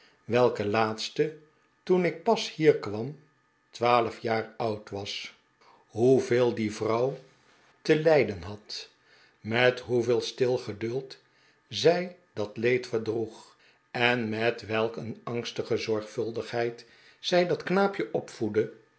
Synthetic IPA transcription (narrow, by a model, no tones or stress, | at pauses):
ʋɛlˠkəlaːtstə | tunɪk̚pɑshiːɹkʋɑm | tʋaːləfjaːɹʌwtʋɑs | ɦuvɪːlˠdivrʌw | təlɛjdənɦɑt | mɛtɦuvɪːlˠstɪlˠχədɵlˠt | zɛjdɑtlejtfəɹdruχ | ɛnmɛtʋɛlˠkənɑŋstəχəzɔɹχfɵlˠdəχɦɛjt | z̥ɛjdɑtknaːpjəʔɔpfudə